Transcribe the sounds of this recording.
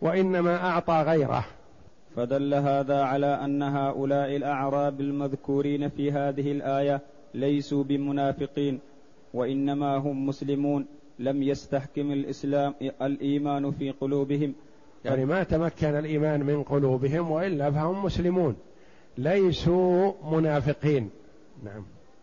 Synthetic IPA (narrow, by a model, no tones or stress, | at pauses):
waʔɪnːamaʔɑʕt̪ˤɑːɣajɾa̰h | fad̪alːaɦaːðaːʕalaːʔanːaɦaːʔʊlaːʔɪlʔaʕɾˤɑːbalmaðkuːɾiːnafiːɦaːðɪhɪlʔaːja | lajsuːbɪmʊnaːfɪqiːn | waʔɪnːamaːɦʊmːʊslɪmuːn | lamjast̪aħkɪmalʔɪslaːmalʔiːmaːnfiːqʊluːbɪhɪm | jaʕnimat̪amakːanalʔiːmaːnmɪnqʊluːbɪɦɪmwaʔɪlːaːfahʊmːʊslɪmuːn | lajsuːmʊnaːfɪqiːn | naʕam